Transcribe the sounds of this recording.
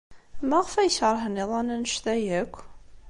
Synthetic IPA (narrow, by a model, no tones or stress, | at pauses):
mæʁəfæjəçəɾˤɦəniðˤɑnænəʃθæjækʷː